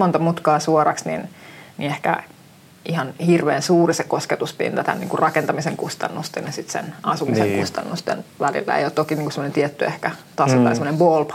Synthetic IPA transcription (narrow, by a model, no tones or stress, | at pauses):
mont̪ɑmut̪kɑːsuɔrɑksnḭnnḭehkæ̰ | ihɑnhirʋeːnsuːrisekosket̪uspḭnt̪ɑt̪æ̰nnḭːŋkurrɑkent̪ɑmiseŋkust̪ɑ̰nːust̪ennɑsit̪sḛnɑsumiseŋkust̪ɑ̰nːust̪ḛnʋælḭlːæ̰ḛijoːt̪t̪okiniːŋkusemonent̪iɛt̪ːyehkæt̪ɑsot̪ɑ̰isemonembolp